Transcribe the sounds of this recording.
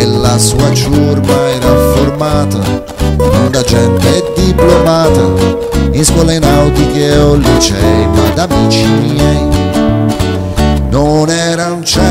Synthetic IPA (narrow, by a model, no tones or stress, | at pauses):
elːasuːat͡ʃurmaɛːɾaformaːt̪a̰ | imand̪ad͡ʒɛnt̪eɛd̪iplomaːt̪a | inskwɔːlainawt̪ikeɔlːit͡ʃɛjmad̪amiːt͡ʃimiɛj | nonɛɾaunt͡ʃɛ